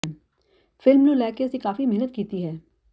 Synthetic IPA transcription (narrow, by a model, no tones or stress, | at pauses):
fɪlmnolɛːkesekaːfimɛɦnət̪̚kiːt̪iɦɛː